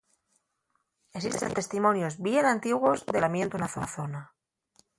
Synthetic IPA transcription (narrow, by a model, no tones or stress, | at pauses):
es̬ist̪ḛnt̪e̞st̪imõ̞njo̞zβjenãnt̪iɣwo̞zðelamjent̪unaθoθona